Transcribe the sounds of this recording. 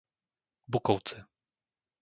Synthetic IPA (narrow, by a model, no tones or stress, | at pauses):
bukɔwt̪sɘ